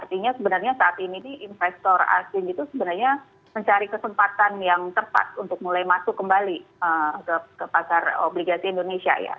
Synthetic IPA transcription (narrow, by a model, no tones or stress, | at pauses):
art̪iɲasəbənarɲasaːt̪ininiʔɪnfɛst̪ɔra̰sɪnit̪usəbənarɲa | məɲt͡ʃaɾikəsəmpat̪anjaŋt̪əpa̰t̪unt̪ʊk̚mulajmasʊkːəmbaliəkəkəpakaro̰bliɡasiːndonesia̰ja̰